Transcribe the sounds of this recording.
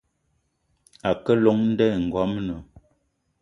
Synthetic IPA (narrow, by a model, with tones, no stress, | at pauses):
a˨kə˦lo˨˦ŋn̩˦dɛ˦˨ŋ̩˨ɡɔ˨˦mnə˨